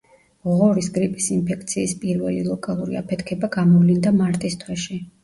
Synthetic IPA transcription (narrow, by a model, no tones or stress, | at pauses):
ʁɔɾisɡɾipʼisinpʰɛk̚ʰt̪sʰiːspʼiɾvɛ̰lḭlˠɔkʼalˠuɾḭapʰɛt̪ʰkʰɛbaɡamɔvlind̪amaɾt̪ʼist̪ʰwɛʃi